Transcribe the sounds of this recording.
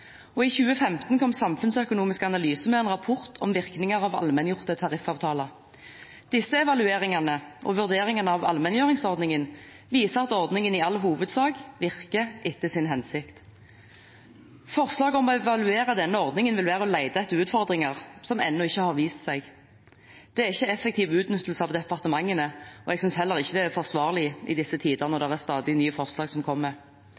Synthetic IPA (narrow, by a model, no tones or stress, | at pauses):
ɔɪçʉːəfɛmt̪n̩kʰɔmsɑmfʉnsœkʊnuːmɪskəɑnɑlyːsəmɛɛnʁɑpʰʊʁt̪ʰɔmʋɪʁknɪŋəʁɑːʋɑ̰lmɛnjʊʁt̪ət̪ʰɑʁɪfɑːʋt̪ʰɑːlə | d̪̥ɪsəɛʋɑlʉeːʁɪŋɑnəʔɔ̰ʋʉʁd̪eːʁɪŋənəɑːʋɑ̰lmɛnjøːʁɪŋsɔʁd̪nɪŋən | ʋiːsəʁɑt̪ɔʁd̪nɪŋənɪɑlɦuːʋəd̪sɑːɡʋɪʁkəʔɪt̪ːəsɪnɦɛnsɪkt̪ | fɔʁslɑːɡəɔmɔɛʋɑlʉeːɾəd̪ɛnːəɔʁd̪nɪŋənʋɪlʋæːʁəɔlæɪd̪ɑɛt̪əʉːt̪fɔʁd̪ʁɪŋəʁsɔmɛ̰nːɔɪçːəhɑʁʋiːst̪sɛɪɡ | d̪̥ɛæʁɪçːəɛfɛkt̪ʰiːʋʉːt̪nʏt̪ːl̩səɑʋd̪ɛpɑʁt̪əmɑŋːənəɔɛɡsʏnshɛlːəʁɪçːəd̪ɛæfɔʁsʋɑːʁlɪɪ̰d̪ɪsːət̪ʰiːd̪əʁnɔʁd̪ɛʁæʁst̪ɑːd̪ɪnyːəfɔʁslɑːɡsɔmkʰɔmːəɾ